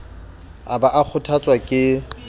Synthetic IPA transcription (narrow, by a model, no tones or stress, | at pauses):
abaʔak͡xʰʊtʰat͡sʼwakʼɪ